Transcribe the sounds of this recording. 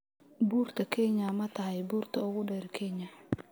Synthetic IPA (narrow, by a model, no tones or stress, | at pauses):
buːrt̪ʰɐkʰɛɲɐmɐt̪ʰɐɦɐjbuːrt̪ʰɐʊɣʊɖɛːɾkʰɛɲɐ